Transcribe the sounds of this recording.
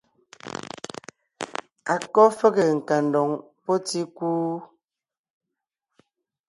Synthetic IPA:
a˨kɔ˦fɛ˦ɣe˨ŋ̩˨ka˨n˨dɔ˨ŋ | pɔ˦ti˦kuː˦

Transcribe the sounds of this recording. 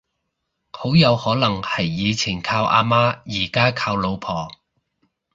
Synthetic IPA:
ho˨˥wjɐ˨˧whɔː˨˥lɐ˨˩ŋhɐ˨˩jːiː˨˧t͡sʰi˨˩nkʰaː˧wʔa̰ː˧maː˥jiː˨˩kaː˥kʰaː˧wlo˨˧wpʰɔː˨˩

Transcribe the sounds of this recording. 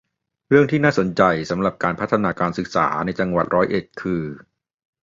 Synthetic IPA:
ɾɯ˥˩əŋt̪ʰiː˥˩naː˥˩so˩˦nt͡ɕa˧jsa˩˦mɾa˨˩p̚kaː˧npʰa˦˥t̪ʰːa˧naː˧kaː˧nsɯ˨˩k̚sa̰ː˩˦na˧jt͡ɕa˧ŋwa˨˩t̪̚ɾɔː˦˥jʔe˨˩t̪̚kʰɯː˧

